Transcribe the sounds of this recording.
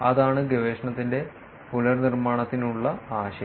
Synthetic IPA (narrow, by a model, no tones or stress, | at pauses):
ɐðaːɳɨɡeʋeːʂɐɳɐt̪ːinde̞ | pulɐrnirmaːɳɐt̪ːinuɭːɐaːɕɐ